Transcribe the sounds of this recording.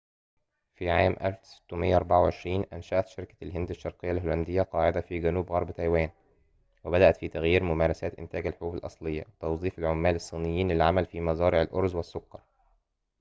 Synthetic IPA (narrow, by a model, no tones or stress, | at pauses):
fiːʕaːmʔælfsɪ̥t̪ːʊmɪjːʔɑɾˤbaʕawʕeʃɾiːnʔænʃæʔæt̪ʃeɾkæ̥lɦɪnd̪aʃːɑɾqɪjːalɦoːlænd̪ɪjːæqɑːʕɪd̪æfiːɡænuːbɣɑɾˤbt̪æjwæːn | wɪbæd̪æʔæt̪fiːt̪æɣjiːɾmʊmæːɾˤɑsæːt̪ʔɪnt̪æːɡælħɾuːbɪlʔɑ̰sˤlejːæ̰wt̪ɑwzˤiːfɪlʕomːæːlɪsˤːiːnɪjːiːnlɪlʕamælfiːmɑzˤɑːɾɪʕɪlʔoɾˤzwɪsːʊkːɑɾˤ